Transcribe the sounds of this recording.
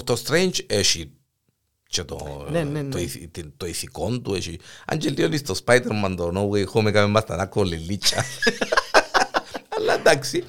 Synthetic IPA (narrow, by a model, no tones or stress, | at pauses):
t̪ost̪ɾejnt͡ʃeʃi | t͡ʃet̪o̰ | oisḭt̪t̪oisikont̪ueʃia̰nd͡ʒeld̪jonist̪ospajt̪eɾmand̪onowexomekamemast̪anakolelit͡ʃa̰ | alat̪aksi